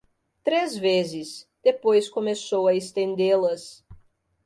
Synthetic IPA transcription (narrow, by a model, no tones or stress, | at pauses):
t̪ɾezvezɪsd̪̥epojskõmesowɐest̪ẽnd̪elɐs